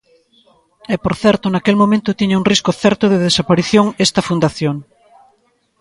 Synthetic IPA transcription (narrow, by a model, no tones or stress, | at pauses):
epoɾθɛɾt̪onakelmõmẽnt̪ot̪iɲauŋriskoθɛɾt̪ʊðeðesapaɾiθjoŋest̪ɐfund̪aθjoŋ